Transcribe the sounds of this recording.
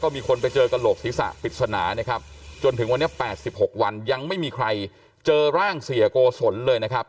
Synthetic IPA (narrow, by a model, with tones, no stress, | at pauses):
kɔː˥˩miː˧kʰo˧npa˧jt͡ɕɤː˧ka˧loː˨˩k̚siː˩˦˥sa̰˨˩pi˨t̪̚sa˧naː˩˦ni˥˩kʰa˦˥p̚t͡ɕo˧nt̪ʰɯ˩˦ŋwa˧nːi˦˥ɐpɛː˨˩t̪̚si˨˩p̚ho˨˩k̚wa˧nja˧ŋma˥˩jmiː˧kʰɾa˧j | t͡ɕɤː˧ɾaː˥˩ŋsi˨˩˦ɐkoː˧so˩˦nlɤː˧jna˦˥kʰa˦˥p̚